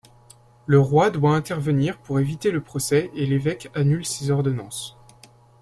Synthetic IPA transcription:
ləʁwad̪waɛ̃t̪ɛʁvəniʁpuʁevit̪eləpχɔsɛelevɛkanylsezɔʁd̪ɔnɑ̃s

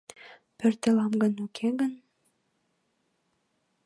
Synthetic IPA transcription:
pøɾt̪ĕlˠɑmɡə̆nukʰeɡən

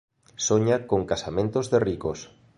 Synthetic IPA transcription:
soɲakoŋkasamẽnt̪ozðerikos

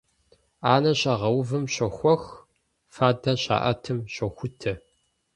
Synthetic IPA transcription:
aːnɐɕɐʁɐwvɨmɕɐxʷɔx | faːdɐɕa̰ːʔɐ̰tʰɨmɕɐxʷʊtʰɐ

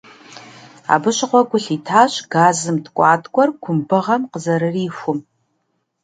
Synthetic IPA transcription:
a̰bɨɕɪqʷɔɡʷʊɬiːtʰaːɕɡaːzɨmtʰkʷʼɑːtʰʼkʷʼɔrɡʷʰʊmbɨʁɐmqəzɐɾɨriːxʷʊm

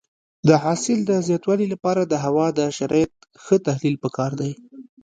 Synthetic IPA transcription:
d̪əɦɑsɪld̪əzjɑt̪wɑlilapɑɾad̪əɦawɑd̪əʃaɾɑjat̪̚ | xət̪ahlilpəkɑɾd̪aj

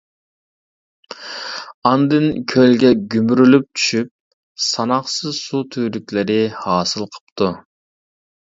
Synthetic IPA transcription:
ɑnd̪ɨnkʲʰølɡʲɛɡʲymɾylyp̚t͡ʃʰy̥ʃyp̚ | sɑnɑχsɨzsut̪ʰyːlykʲlɪɾɪhɑːsɨlˠqʰə̥p̚t̪ʰu

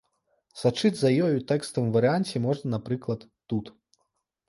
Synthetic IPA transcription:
sat͡ʂɨd͡zʲzɐjɔjut̪ɛkst̪ɐmvɐɾɨanʲt͡sʲɛmɔʐnɐnapɾɨklˠɐt̪ːut̪

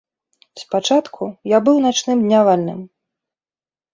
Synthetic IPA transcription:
spat͡ʂat̪kʰujabɨwnat͡ʂnɨmd̪ʲnʲavalʲnɨ̰m

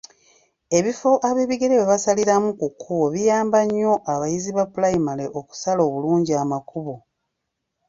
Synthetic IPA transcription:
e̞βifo̞ʔaβe̞ːβiɡe̞ɾewe̞βasaliɾamukukʰːuβo̞βijaːmbaɲːo̞ʔaβajiziβapulajimaleʔo̞ku̥salo̞ːβuluːɲɟiamakuβo̞

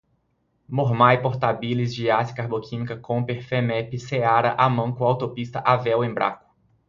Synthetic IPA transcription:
moɾmajpoɾt̪abilizd͡ʒiasi̥kaɾbokʰĩmikɐkõpeɾfemɛpɪseaɾɐʔamɐ̃ŋkʊawt̪opist̪ɐʔavɛwẽbɾa̰kʊ̥

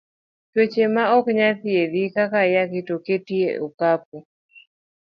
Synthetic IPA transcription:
twet͡ʃemaɔkɲat̪ieðikakajakɪtoketiḛʔokap̚u

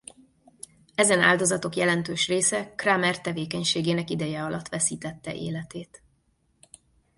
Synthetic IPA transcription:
ɛzɛna̰ːld̪o̞zɒt̪o̞kjɛlɛnt̪øːʃreːsɛkramɛrt̪ɛveːkɛɲʃeːɡeːnɛkid̪ɛjɛɒlɒt̪ːʋɛsiːt̪ɛt̪ːɛʔḛːlɛt̪eːt̪

